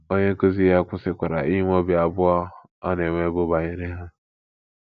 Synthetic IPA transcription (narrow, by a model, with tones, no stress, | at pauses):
o˦ɲe˦ko˦zi˦ja˦kʷʊ˦sɪ˦kʷa˨ɾa̰˨i˦ŋʷ˦o˦bi˨a˨bʊ˦ɔ˦ | a˦ne˨ŋʷe˦bʊ˦ba˨ɲe˦ɾe˦ɦa˦